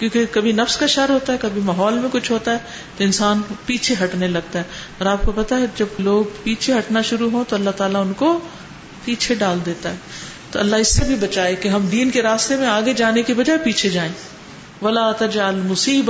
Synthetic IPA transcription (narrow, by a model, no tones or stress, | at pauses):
kjõːkekɐbʱinɐfskaʃɐɾɦoːt̪aɦɛkɐbʱimaːɦɔːlmẽkʊt͡ʃʰɦoːt̪aɦɛː | t̪oɪnsaːnpiːt͡ʃʰeɦɐʈnelɐɡ̚t̪aɦɛːɔːɾaːp̚kopɐt̪aɦɛd͡ʒɐbloːɡpiːt͡ʃʰeɦɐʈnaʃʊɾuɦõt̪oɐlːaɦt̪aːlaʊnko | piːt͡ʃʰeɖaːld̪eːt̪aɦɛː | t̪oɐlːaɦɪsːebʱibɐt͡ʃaːekeɦɐmd̪iːnkeɾaːst̪emẽaːɡed͡ʒaːnekiʋɐd͡ʒaːepiːt͡ʃʰed͡ʒaːẽː | ʋɐlaːt̪ɐd͡ʒlmʊsiːb